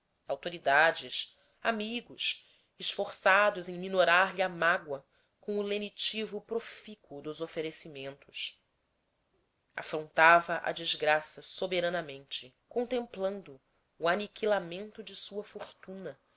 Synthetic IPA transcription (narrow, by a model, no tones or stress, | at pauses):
awt̪oɾid̪ad͡ʒɪs | amiɡʊʃ | ɪʃfoχsad̪ʊzẽj̃minoɾaɾliamaɡwɐ | kõw̃ʊlenit͡ʃivʊpɾofikʊd̪ʊzofeɾesimẽnt̪ʊʃ | a̰fɾõnt̪avɐʔɐ̰d͡ʒizɡɾasɐsobeɾɐ̃nɐmẽnt͡ʃɪ | kõnt̪ẽmplɐ̃nd̪ʊː | anikilamẽnt̪ʊd͡ʒɪsuɐfoχt̪ũnɐ